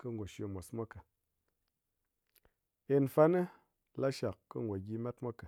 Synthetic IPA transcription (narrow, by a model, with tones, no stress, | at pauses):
kɨ˦ŋɡʷo˨ʃo˧mʷo˨smʷa˦kə˨ | e˧nfa˦nə˦ | la˦ʃa˨kːə̰˦ŋɡʷo˨ɡʲi˧ma˦tmʷa˦kə˨